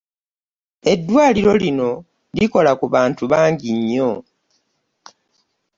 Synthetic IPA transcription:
e̞dːwaːliɾo̞lino̞ | liko̞lakuβaːntuβaːɲɟiɲːo̞

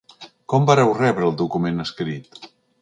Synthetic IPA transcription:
kɔmbaɾɛwrɛβɾəːlˠd̪ukumenəskɾit̪

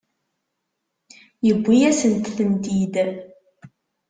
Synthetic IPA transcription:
jəɡʷːijæsənt̪θənt̪id̪

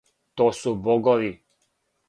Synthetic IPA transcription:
t̪oːsubɔɡɔʋi

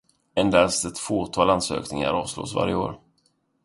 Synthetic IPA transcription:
ɛnd̪ast̪ɛt̪foːt̪ʰɑːlansø̰ːknɪŋa̰ɾɑːvslo̰ːsva̰ɾjəoːɾ

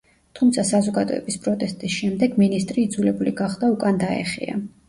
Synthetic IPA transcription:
t̪ʰumt̪sʰasazɔɡad̪ɔɛ̰bispʼɾɔt̪ʼɛst̪ʼisʃɛmd̪ɛɡminist̪ʼɾiːd̪zulɛbuliɡaχd̪aukʼand̪aɛ̰χḭa̰

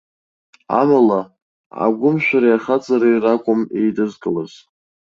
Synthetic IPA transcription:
a̰mala | a̰ɡʷʊmʃʷᶣaɾajaχat͡sʼaɾejrakʷʼʊmejdɨzɡʼɨlaz̥

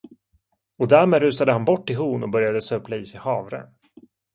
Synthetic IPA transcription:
ɔd̪æɾmeːd̪ɾʉ̟ːsad̪əhanbɔʈːɪlɦuːnɔbœɾjad̪əsøːplaiːsɛhɑːvɾɛ̰

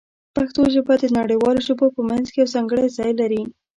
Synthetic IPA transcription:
paxt̪oʒəbad̪ənaɽəjwɑloʒəbopəmanzkejawzɑŋɡəɽajzɑjlaɾi

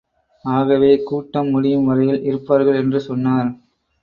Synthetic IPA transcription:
aːɣɐʋeːkuːʈːɐmːʊɽɪjɯmʋɐɾɐjɪlʔɪɾɯpːaːɾɣɐɭɛndrɯsɔnːaːɾ

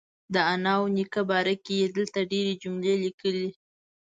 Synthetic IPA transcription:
d̪əanɑwnikabɑɾakejed̪əlt̪aɖeɾed͡ʒʊmlelikəli

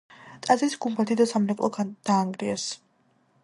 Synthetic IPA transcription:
t̪ʼazɾisɡumbat̪ʰid̪asamɾɛkʼlˠʔɔd̪̥aːŋɡɾias

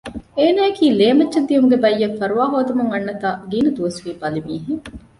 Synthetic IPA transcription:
eːnaːekiːleːmɐt͡ʃːʃɐd̪ːijumɡebɐjːɐfːɐɾuʋaːɦoːd̪ɐmuŋɐnːɐt̪aːɡiːnɐd̪uʋɐsʋiːbɐlimiːɦeŋ

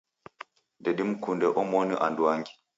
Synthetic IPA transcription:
ndɛɗimkundɛʔɔmoniʔanduwaŋɡi̥

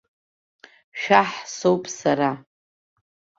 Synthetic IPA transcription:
ʃᶣaħsowpʼsaɾa

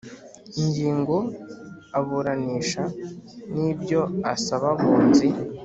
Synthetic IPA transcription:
iɲɟiːŋɡo̞ | aβuɾaniːʃanibɟo̞asaβaβuːnzi

